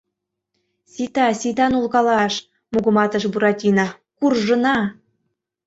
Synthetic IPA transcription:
sʲit̪ɑsʲit̪ɑnulkɑlɑʃ | muɣɤ̆mɑt̪ɤ̆ʃbuɾɑtʲinɑ | kurʒɤ̆nɑ

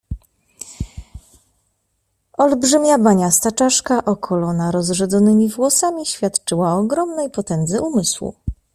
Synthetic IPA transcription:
ɔlbʐɘmʲjabaɲast̪at͡ʂaʂkaʔɔkʰɔlɔnaɾɔzʐɛd̪zɔnɘmʲivwɔsamʲiɕfʲjat̪t͡ʂɘwaɔɡɾɔmnɛjpɔt̪ɛnd̪zɘumɘswṵ

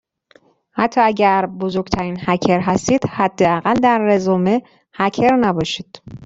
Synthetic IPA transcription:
hæt̪ʰːɒːæɟæɾbozoɾɡt̪ʰæɾiːnhæcʰeɾɦæst̪iːd̪̥hæd̪ːe̞æɣæld̪æɾːezoːme | hæcʰe̞ɾnæbɒːʃiːd̪̥

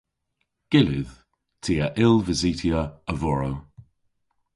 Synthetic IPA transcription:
ɡ̥ɪlɪð̥ | tʰiːəʔɪlˠvəziˑtʰiəəvɔɹow

